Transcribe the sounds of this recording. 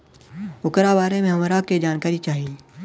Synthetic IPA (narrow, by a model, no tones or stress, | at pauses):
ʊkɾabaːɾemẽɦɐmɾaked͡ʒaːnkaːɾit͡ʃaːɦie